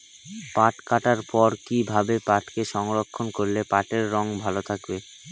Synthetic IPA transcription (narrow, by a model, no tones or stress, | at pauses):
paʈkaʈaɾpɔɾkibʱabepaʈkeʃɔŋɾokʰːonkoɾlepaʈeɾːɔŋbʱalot̪ʰakbe